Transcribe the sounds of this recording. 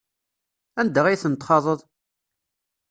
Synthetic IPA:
ænd̪əʁijθənt̪χɑðˤəðˤ

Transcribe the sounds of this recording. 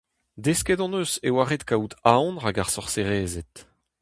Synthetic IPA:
d̪eskɛdɑ̃nøsewaʁet̪kaut̪aɔ̃nʁaɡaʁsɔʁseʁeːzɛt̪

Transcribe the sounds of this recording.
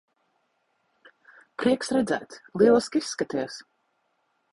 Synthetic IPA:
pɾiɛksɾɛd̪zæ̰ːt̪lˠiɛlˠiskʲisːkat̪ijs

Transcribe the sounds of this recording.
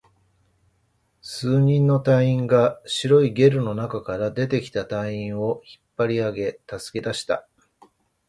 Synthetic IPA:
sɨːɲ̟ĩnːo̞t̪aĩŋɡaɕiɾo̞iɡe̞ɾɯ̟no̞nakakaɾad̪e̞t̪e̞kʲi̥t̪at̪aĩɰ̃o̞çi̥pːaɾʲiaɡe̞t̪asɨ̥ke̞d̪aɕi̥t̪a̰

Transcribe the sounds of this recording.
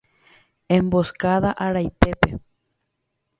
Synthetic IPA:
emboskaðaʔaɾajt̪epe

